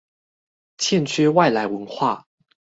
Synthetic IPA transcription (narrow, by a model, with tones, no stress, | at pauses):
t͡ɕʰjɛ˥˨nt͡ɕʰɥɛ˥wa˥˨ɪla˧˥ɪwə˧˦nxwa̰˥˨